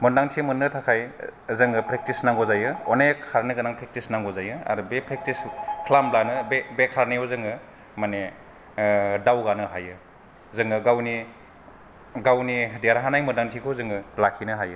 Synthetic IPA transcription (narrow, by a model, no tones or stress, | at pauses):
mɔndaŋtʰimɯnːɯtʰakʰajzɯŋɯpɾek̚tisnaŋɡɔzajɯɔnekʰaɾniɡɯnaŋpɾek̚tisnaŋɡɔzajɯa̰ɾubepʰɾek̚tiskʰlamblanɯbebekʰaɾneɔzɯŋɯ | mane | dawɡanɯɦajɯ | zɯŋɯɡawni | ɡawnideaɾaɦanajmɔndaŋtʰikʰozɯŋɯlakʰinɯɦajɯ